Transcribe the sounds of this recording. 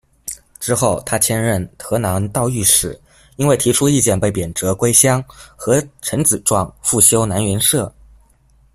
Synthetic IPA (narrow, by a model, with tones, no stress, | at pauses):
ʈ͡ʂɻ̩˥xo˥˩ʊt̪ʰa˥t͡ɕʰjɛ˥nɻə˥˩nt̪ʰɤ˧˥nɑ˧˥ŋt̪ɑ˥˧ʊy˥˩ʂɻ̩˨˩˦ | i˥nwe˥˩ɪt̪ʰi˧˥ʈ͡ʂʰu˥i˥˧t͡ɕjɛ˥˧npe˥˩ɪpjɛ˨˩nʈ͡ʂɤ˧˥kwe˥ɪɕjɑ˥ŋxɤ˧˥ʈ͡ʂʰə˧˥nt͡sɹ̩˨˩ʈ͡ʂwɑ˥˧ŋfu˥˩ɕjo˥ʊna˧˥nɥɛ˧˥nʂɤ˥˩